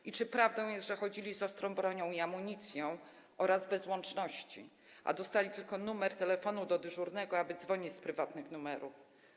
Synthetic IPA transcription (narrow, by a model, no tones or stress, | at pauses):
ʔit͡ʂɘpɾavd̪ɔ̃w̃jɛst̪ʐɛxɔd͡ʑilʲisɔst̪ɾɔ̃w̃bɾɔɲɔ̃w̃iamuɲit̪sʲjɔ̃w̃ | ʔɔɾazbɛzwɔnt͡ʂnɔɕt͡ɕḭ | ʔa̰d̪ɔst̪alʲit̪ɘlkɔnumɛɾt̪ɛlɛfɔnud̪ɔd̪ɘʐuɾnɛɡɔabɘd̪zvɔɲit͡ɕspɾɘvat̪nɘxnumɛɾuf